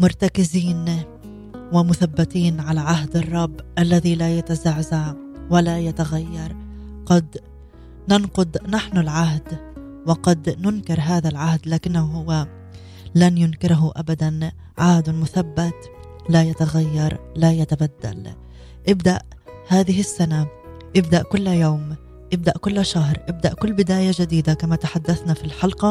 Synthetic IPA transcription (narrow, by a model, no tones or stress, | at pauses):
mʊɾˤt̪akɪziːn | wɪmʊθabːat̪iːnʕalaʕaɦd̪ɑrˤːɑbːʔalːaðilajat̪azaʕzaʕ | walajat̪aɣajːɑɾˤqɑd̪ | nanqʊd̪naħnʊlʕaɦd̪ | wɪqɑd̪nʊnkɪɾˤɦaːðalʕahd̪laːkɪnːahʊhʊwa | lanjʊnkɪɾɦʊʔabad̪an | ʕahd̪mʊθabːat̪ | lajat̪aɣajːɑɾˤlajat̪abad̪ːa̰l | ʔɪbd̪aʔ | haːðɪɦɪsːana | ʔɪb̚d̪aʔkʊlːjoːm | ʔɪb̚d̪aʔkʊlːʃaɦɾˤʔɪb̚d̪aʔkʊlːbɪd̪aːjaʒad̪iːd̪akamat̪aħad̪ːaθnafilħɑlqɑ